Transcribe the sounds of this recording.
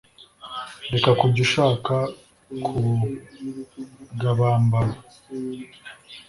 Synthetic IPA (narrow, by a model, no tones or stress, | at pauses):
dekakuɟiʃaːka | kʰu | ɡaβaːmbaɾa